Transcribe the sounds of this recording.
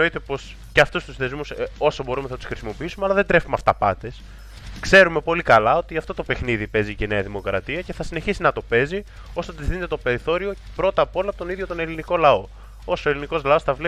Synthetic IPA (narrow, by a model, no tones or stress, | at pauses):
oit̪e̞po̞s | ceɐft̪ust̪usθe̞zmuso̞sobo̞ɾumeθɐt̪usxɾisimo̞piisumeɐlɐðed̪ɾe̞fumeɐft̪ɐpɐ̰t̪e̞s | kse̞ɾume̞po̞likɐlɐo̞t̪iɐft̪o̞t̪ope̞xniðipe̞ziceneɐðimokɾɐt̪iɐce̞θɐsine̞çisinɐt̪o̞pe̞zi | o̞sot̪izðinet̪et̪o̞pe̞ɾiθo̞ɾio̞ | pɾo̞t̪ɐpo̞lɐːpot̪o̞niðʝo̞t̪o̞ne̞liniko̞lɐo̞ | o̞soeliniko̞zlɐo̞sθɐvle